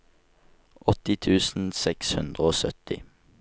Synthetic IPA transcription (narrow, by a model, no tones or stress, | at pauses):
ʔɔt̪ɪt̪ʰʉːsn̩sɛkshʉnd̪ʁəoːsœt̪ɪ